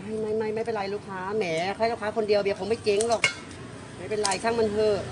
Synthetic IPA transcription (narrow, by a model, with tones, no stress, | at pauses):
ha˧˩jma˧˥˩jma˧˥˩jma˧˥˩pe˧˨nɾa˧jluː˦˥˩kʰaː˦˥mɛː˨˩˦kʰa˧˥˨luː˦˥˩kʰaː˦˥kʰo˧ndi˧əwbi˧˩˨pʰo˨˦ma˥˩jke˧˦ŋlɔː˧˩k̚ | maː˧˩pe˧nɾa˧˩jtʰa˧˥˩ŋma˧nhɤː˧˩